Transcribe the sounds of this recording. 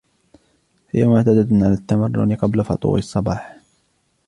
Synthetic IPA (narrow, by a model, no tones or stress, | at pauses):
hɪjamʊʕt̪ad̪aʕalaːt̪ːamarːʊ̰nqɑblafɑt̪ˤṵːʕɪsˤːɑbɑːħ